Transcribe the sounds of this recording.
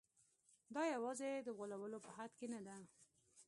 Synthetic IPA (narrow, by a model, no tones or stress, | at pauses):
d̪ɑjawɑzed̪əɣolawəlopəhad̪kenad̪a